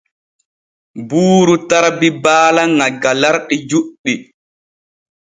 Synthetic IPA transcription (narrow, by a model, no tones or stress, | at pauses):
buːɾutaɾbibaːlaŋaɡalaɾɗid͡ʒuɗːi